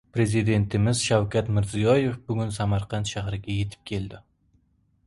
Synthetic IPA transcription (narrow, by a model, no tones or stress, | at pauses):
pɾe̞zid̪e̞nt̪ʰɪmɪz̥ʃawkʲat̪mɪɾzijɒje̞fbʊɡʲʊnsamaɾqʰɑnt̪ʃaɦɾɪɡʲaje̞t̪ʰɪ̥p̚kʲʰe̞ld̪ɪ